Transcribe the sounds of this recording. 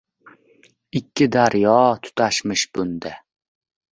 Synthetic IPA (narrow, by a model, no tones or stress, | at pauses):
ɪkʲʰːɪd̪aɾjɒt̪ʰʊ̥t̪ʰaʃmɪʃbʊnd̪ɪ